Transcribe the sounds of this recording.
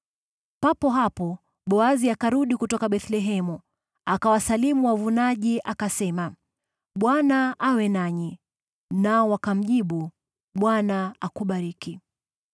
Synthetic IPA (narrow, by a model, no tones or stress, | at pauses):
papɔɦapɔ | ɓɔaziakaɾuɗikutɔkaɓɛθlɛɦɛmu | akawasalimuwavunaʄiʔakasɛma | ɓwanaʔawɛnaɲi | naɔwakam̩ʄiɓu | ɓwanaakuɓaɾiki